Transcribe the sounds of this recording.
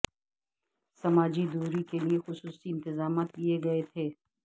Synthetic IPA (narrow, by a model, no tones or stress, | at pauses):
sɐmaːd͡ʒid̪uːɾikeliexʊsuːsiɪ̃nt̪ɪzaːmaːt̪kieɡɐet̪ʰeː